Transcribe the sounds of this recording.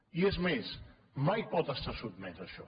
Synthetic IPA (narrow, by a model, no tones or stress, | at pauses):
iezmes | majpɔt̪ast̪asut̪mɛt̪aʃɔ